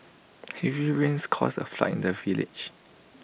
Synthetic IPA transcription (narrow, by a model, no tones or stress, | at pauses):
hɛvɹiɹĩnskʰɔsə̰fla̰tḭ̃ndəvilɪ̰d͡ʒ